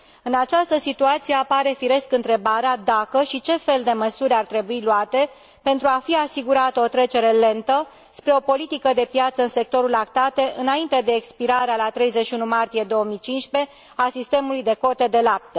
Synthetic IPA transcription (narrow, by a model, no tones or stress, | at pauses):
ɨnat͡ʃast̪əsit̪uat̪sijeapaɾe̞fiɾe̞skɨnt̪ɾe̞baɾead̪akəʃit͡ʃe̞fe̞ld̪e̞məsuɾʲart̪ɾe̞builuat̪e̞ | pe̞nt̪ɾuafiasiɡuɾat̪əot̪ɾe̞t͡ʃe̞ɾe̞le̞nt̪ə | spɾe̞o̞po̞lit̪ikəd̪e̞pjat̪səɨnse̞k̚t̪o̞ɾulakt̪at̪eʔɨnaint̪e̞d̪e̞ːkspiɾaɾealat̪ɾe̞jzeʃiunumart̪ije̞d̪o̞omijt͡ʃinʃpe̞ | asist̪e̞mulujd̪e̞ko̞t̪ed̪e̞lap̚t̪ə